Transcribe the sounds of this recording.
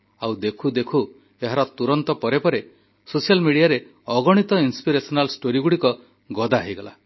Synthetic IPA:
awd̪ekʰud̪ekʰu | eɦaɾɔt̪uɾɔnt̪ɔpɔɾepɔɾe | sosialmiɽijaɾe | ɔɡɔɽ̃it̪ɔinspiɾesɔnalsʈoɾiɡuɽikɔ | ɡɔd̪aɦijɡɔla̰

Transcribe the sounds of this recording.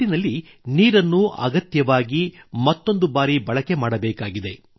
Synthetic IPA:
inɐlːi | niːɾɐnːuʔɐ̰ɡɐt̪jɐʋaːɡimɐt̪ːo̞nd̪ubaːɾibɐɭɐke̞maːɽɐbɛːkaːɡid̪e̞

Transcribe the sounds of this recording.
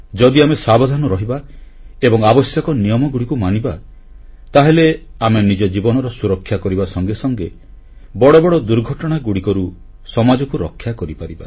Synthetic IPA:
d͡ʒɔd̪iamesabɔd̪ʱanɔɾɔɦibaebɔŋabɔsjakɔnijɔmɔɡuɽikumañiba | t̪aɦeleamenid͡ʒɔd͡ʒibɔnɔɾɔsuɾɔkʰːjakɔɾibasɔŋɡesɔŋɡe | bɔɽɔbɔɽɔd̪uɾɡʱɔʈɔɽ̃aɡuɽikɔɾu | sɔmad͡ʒɔkuɾɔkʰːjakɔɾipaɾiba̰

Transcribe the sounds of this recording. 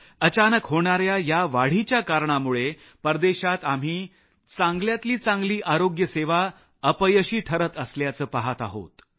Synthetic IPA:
ət͡ɕanəkɦoɳ̃aɾjajaʋaɽ̤it͡ɕjakaɾɳamuɭe | pəɾd̪eɕat̪am̤iː | t͡sãŋɡljat̪liːt͡sãŋɡliːʔaɾoɡjəseʋa | əpəjəɕiːʈʰəɾət̪əsljat͡səːpaɦat̪a̰ɦo̰t̪

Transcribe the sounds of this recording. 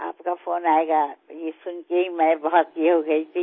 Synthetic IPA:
a̰ːpkafoːnaːeɡajesʊnkeɦimɛ̃bɔɦɔt̪iɦoɡɐit̪ʰi

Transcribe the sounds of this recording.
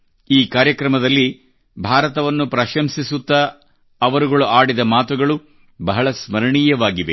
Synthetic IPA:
iːkaːɾjɐkɾɐmɐd̪ɐlːi | bʱaːɾɐt̪ɐʋɐnːupɾɐʃɐmsisut̪ːɐː | ʋɐɾuɡɐɭuʔaːɽid̪ɐmaːt̪uɡɐɭu | bɐɦɐɭɐsmɐɾɐɳiːjɐʋaːɡiʋe̞̰

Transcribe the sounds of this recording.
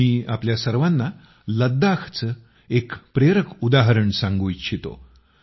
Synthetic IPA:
iːapljasəɾʋanːa | ləd̪akʰt͡sə | ekpɾeɾəkʰud̪aɦəɾəɳsãŋɡuːjɕʰit̪o̰

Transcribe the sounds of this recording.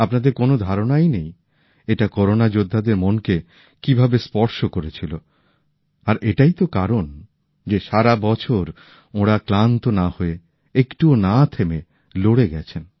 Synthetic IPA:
apnad̪eɾkonod̪ʱaɾonajnej | eʈakɔɾonad͡ʑod̪ʱːad̪eɾmonke | kibʱabespɔɾʃokoɾet͡ɕʰilo | aɾʔeʈajt̪okaɾon | d͡ʑeʃaɾabɔt͡ɕʰoɾ | oɽaklant̪onahoe | ekʈuonat̪ʰeme | loɽeɡɛt͡ɕʰen

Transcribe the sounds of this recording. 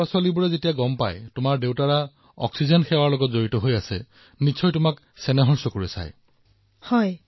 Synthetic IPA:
ɔsalibuɹɛzetijaɡɔmpa̰jtʊmaɹdewtaɹa | ɔ̰ksizɔnxɛwaɹlɔɡɔtzoɹitɔɦojasɛ̰ | nisʰɔjtʊmak | sɛnɛɦɔnsɔkoɹisa̰j | hɔj

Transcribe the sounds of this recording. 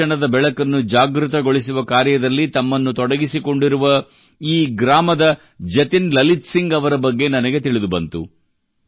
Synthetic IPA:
ɐɳɐd̪ɐbɛɭɐkɐnːud͡ʒaːɡɾut̪ɐɡo̞ɭisuʋɐkaːɾjɐd̪ɐlːit̪ɐmːɐnːut̪ɔɽɐɡisiko̞ɳɖiɾuʋɐ | iːɡɾaːmɐd̪ɐ | d͡ʒɐt̪inlɐlit̪siŋɡɐʋɐɾɐbɐɡːe̞nɐnɐɡe̞t̪iɭid̪ubɐnt̪ṵ

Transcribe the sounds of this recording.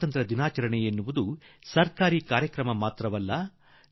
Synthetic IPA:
t̪ɐnt̪ɾɐd̪inaːt͡ʃɐɾɐɳɛjenːuʋud̪usɐɾkaːɾiːkaːɾjɐkɾɐmɐmaːt̪ɾɐʋɐlːɐ

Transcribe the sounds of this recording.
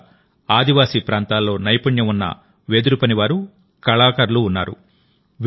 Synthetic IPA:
aːd̪iʋaːsiːpɾaːnt̪aːlːo̞ːnɐjpɐɳjɐmunːɐ̰ | ʋeːd̪uɾupɐniʋaːɾu | kɐɭaːkɐɾluːnːa̰ːɾṵ | ʋ

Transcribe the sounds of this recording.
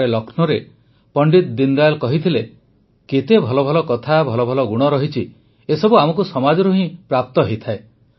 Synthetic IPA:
elɔkʰnɔɾe | pɔɳɖit̪d̪ind̪ajlkɔɦit̪ʰile | ket̪ebʱɔlɔbʱɔlɔkɔt̪ʰabʱɔlɔbʱɔlɔɡuɽ̃ɔɾɔɦit͡ʃʰi | esɔbuamɔkusɔmad͡ʒɔɾuɦĩpɾap̚t̪ɔɦejt̪ʰae

